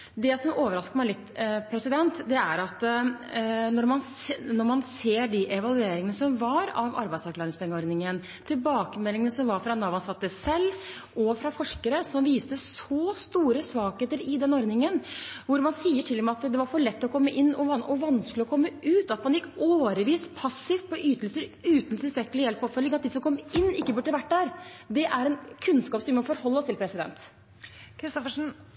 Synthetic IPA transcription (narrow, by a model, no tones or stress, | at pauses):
d̪ɛsɔmoːʋəɾɑskəmæɪlɪt̪ːpʰɾɛsɪd̪ɛnt̪d̪ɛæɾɑt̪ | nɔɾmɑnnɔɾmɑnseːɖiʔɛʋɑlʉeːɾɪŋənəsɔmʋɑɾɑʋɑ̰ɾbæɪd̪sæɾklɑːɾɪŋspɛŋːəɔɾdnɪŋən | t̪ʰɪlbɑːkəmɛlːɪŋənəsɔmʋɑɾfɾɑnɑʋɑnsɑt̪ːəsɛlː | ʔɔfɾɑfɔʂkəɾəsɔmʋiːst̪əsɔst̪uːɾəsʋɑːɡheːt̪əɾɪd̪ɛnɔɾd̪nɪŋənʋʊɾmɑnsiːəʈʰɪlːmɛɑt̪d̪ɛʋɑɾfɔɭɛt̪ːɔkʰɔmːəʔɪnːɔʋɑnɔʋɑnsklɪɔkʰɔmːəʔʉːt̪ɑt̪̚pʰɑnɪkːoːɾəʋiːspʰɑsːɪft̪̚pʰɔʔyːt̪əlsəɾʉːt̪n̩t̪ʰɪlst̪ɾɛkːəlɪjɛlpɔfœlːɪŋɑt̪̚d̪ɪsɔmkʰɔmːɪnːɪkːəbʉɖːəʋæʈːdæːɾd̪ɛʔæɾɛnkʰʉnskɑːpsɔmʋɪmɔfɔɾhɔlːɔst̪ʰɪlpʰɾɛsɪd̪ɛ̰nt̪ | kʰɾɪst̪ɔfəʂn̩